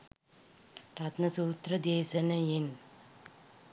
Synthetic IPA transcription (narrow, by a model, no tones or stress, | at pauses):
ɾat̪nɐsuːt̪ɾɐd̪eːsɐnɐjen